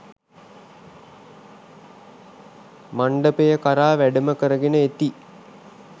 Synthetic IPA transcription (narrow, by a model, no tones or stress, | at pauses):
maɳɖəpejəkaɾaːʋæɖəməkəɾəɡenəet̪i